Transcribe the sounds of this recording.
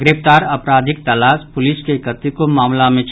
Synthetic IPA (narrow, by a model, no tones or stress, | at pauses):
ɡɾeft̪aːɾɐpɾaːd̪ʱɪk̚t̪ɐlaːspʊlɪskekət̪ikomaːmlamẽt͡ʃ